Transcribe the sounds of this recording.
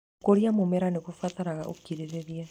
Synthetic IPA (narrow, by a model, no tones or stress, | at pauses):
koɾiamomɛɾanekufataɾaɣa̰ʔo̰kiɾeɾeɾja